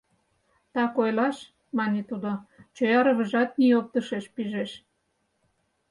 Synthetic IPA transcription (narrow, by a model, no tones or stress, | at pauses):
t̪ɑkojlɑʃ | mɑnʲet̪ud̪ot͡ɕojɑɾə̆βə̆ʒɑt̪̚niop̚t̪əʃeʃpiʒeʃ